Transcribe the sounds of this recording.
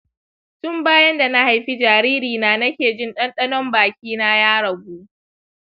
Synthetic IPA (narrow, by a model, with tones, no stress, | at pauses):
tʊ˦mbaː˦jɐ˦nda˨na˦ha˨jɸi˦d͡ʒaː˨ɾiː˦ɾiː˨naː˨nɐ˦kʲeː˨d͡ʒɪ˦nɗɐ˦nɗɐ˦nɔ˦mbaː˨kʲiː˦na˦jaː˦ɽɐ˨ɡuː˦ʔ